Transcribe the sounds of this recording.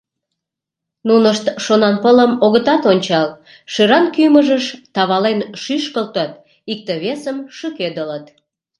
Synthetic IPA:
nunəʃt̪ʃonɑnpələmoɣət̪ɑt̪onʲt͡ɕɑl | ʃeɾɑnkyməʒəʃt̪ɑβɑlenʃyʃkəlt̪ət̪̚ | ik̚t̪əβesəmʃyked̪ələt̪

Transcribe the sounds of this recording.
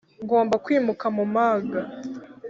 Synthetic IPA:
ŋɡo̞ːmbakwiːmukamumaɡa

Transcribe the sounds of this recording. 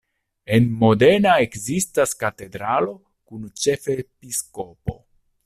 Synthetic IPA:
e̞nmo̞de̞naekzistaskate̞dɾalo̞ | kunt͡ʃe̞fepisko̞po̞̰

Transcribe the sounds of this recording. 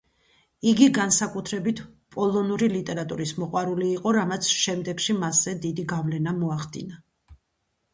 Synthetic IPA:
iɡiɡansakʼut̪ʰɾɛbit̪ʰpʼɔlˠɔnuɾilit̪ʼɛɾat̪ʼuɾismɔqʼwaɾuliːqʼɔɾamat̪sʰʃɛmd̪ɛɡʃimaszɛd̪id̪iɡavlɛnamɔaχd̪ḭna

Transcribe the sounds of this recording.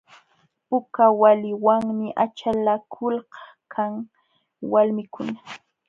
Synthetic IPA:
pʊkawalɪwaŋmɪʔat͡ʃalakʰʊlɢɑ̥ | kʰaŋ | walmɪkʊna

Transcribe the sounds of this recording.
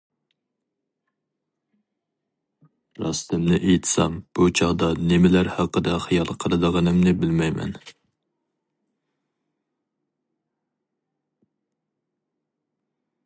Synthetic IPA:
ɾɑst̪ɪmnɪʔejt̪ʰsɑ̰mb̥ut͡ʃʰɑʁd̪ɑnɪmɪlæɾhɑqːəd̪ɑχijɑlˠqʰəlˠɨd̪əʁɑnɨmnɪbɪlmɛjmɛ̰n

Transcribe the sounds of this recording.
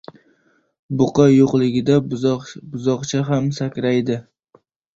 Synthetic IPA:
bʊqʰɑjoqlˠɪɡʲɪd̪abʊzɒqt͡ʃʰaɦamsakʲɾajd̪ɪ

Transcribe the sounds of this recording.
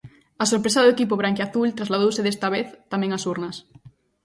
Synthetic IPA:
ɐsoɾpɾesaðʊekipoβɾaŋkeaθult̪ɾazlaðowsɪðest̪aβeθt̪amɛ̃ŋasuɾnɐs

